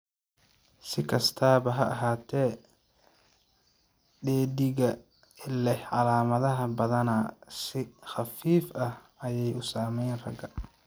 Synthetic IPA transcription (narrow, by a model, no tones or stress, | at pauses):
sɪkʰɐst̪ʰaːβɐɦɐʔɦaːt̪ʰɛː | ɖɛːd̪ɪɣɐ | ɪlɛhʕɑlaːmɐðɐɦɐbɐðɐnɐsɪxɑfiːfɐh | ɐjɛjʊsaːmɛjnrɐ̰ɡɐ